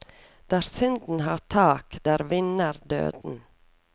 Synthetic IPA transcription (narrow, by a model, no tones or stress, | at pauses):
d̪̥æːɾsʏnd̪n̩hɑːtʰɑːkd̪̥æːɾʋɪnəɾd̪ø̰ːd̪n̩